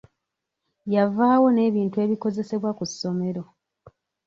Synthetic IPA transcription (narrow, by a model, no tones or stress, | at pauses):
javaːwo̞ne̞ːβiːntue̞ːβiko̞ze̞se̞βwakusːo̞me̞ɾo̞